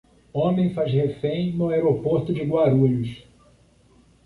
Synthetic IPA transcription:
õmẽj̃fazhefẽj̃nʊaeɾopoɾt̪ʊd͡ʒɪɡwaɾuʎʊs

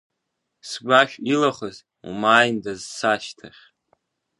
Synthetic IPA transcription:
sɡʷaʃᶣilaχəz | ṵmaːjndazsaʃtʰaχʲ

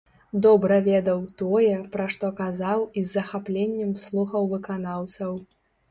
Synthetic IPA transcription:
d̪ɔbɾɐvʲɛd̪ɐwt̪ɔjɛpɾaʂt̪ɔkazawizːɐxaplʲenʲːɛmslˠuxɐwvɨkanawt̪sɐw

